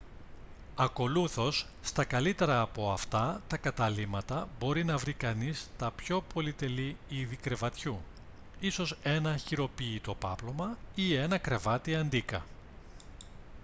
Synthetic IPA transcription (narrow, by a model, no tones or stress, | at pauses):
ɐko̞luθo̞sːt̪ɐkɐlit̪e̞ɾɐːpo̞ɐft̪ɐt̪ɐkɐt̪ɐlimɐt̪ɐbo̞ɾinɐvɾikɐnist̪ɐpço̞po̞lit̪e̞liiðikɾe̞vɐt̪çu | iso̞se̞nɐçiɾo̞piːt̪o̞pɐplo̞mɐie̞nɐkɾe̞vɐt̪iɐnd̪ikɐ̰